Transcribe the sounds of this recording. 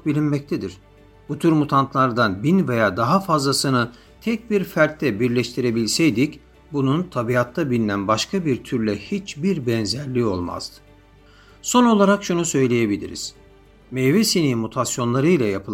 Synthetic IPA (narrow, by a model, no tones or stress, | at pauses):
bilʲinmɛc̚t̪ʰɛd̪iɾ̥ | but̪ʰyɾmut̪ʰant̪ʰlˠaɾd̪anbinvejaːd̪aɦafazlˠasɯnɯ | t̪ʰɛc̚biɾfæɾt̪ʰːɛbiɾlʲɛʃt̪ʰiɾe̞bilʲsɛjd̪ic | bununt̪ʰabiat̪ʰːabilʲinænbaʃkʰabiɾt̪ʰyɾlʲɛhit͡ʃbiɾbɛnzæɾlʲio̞lˠma̰z̥d̪ɯ̥ | so̞no̞lˠaɾakʃunusø̞jlʲejebilʲḭɾḭz̥ | mɛjvɛsinimut̪ʰasjo̞nlˠaɾɯjlʲajapʰɯlˠ